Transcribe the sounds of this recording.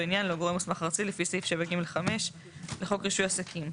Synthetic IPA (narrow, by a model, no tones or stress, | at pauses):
injanloɡoemusmaχaʁt͡silefisejfʃevaɡimleχame̞ʃ | leχo̞kʁiʃujasakʰim